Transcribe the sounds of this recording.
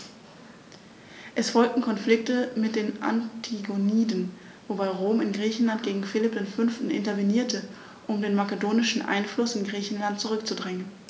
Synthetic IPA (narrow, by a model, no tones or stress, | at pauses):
ʔɛsfɔlk̚tn̩kʰɔnflɪk̚təmɪt̚d̥eːnʔa̰ntʰiɡoniːdn̩ | vobaɪʁoːmɪnɡʁiːçn̩lant̚ɡ̥eːɡŋ̩fɪlɪp̚d̥eːnfʏnftn̩ʔɪ̰ntɐveniːɐtə | ʔʊmdeːnmakədoːnɪʃn̩ʔa̰ɪnflʊsɪnɡʁiːçn̩lant̚t͡suʁʏkt͡sudʁɪŋən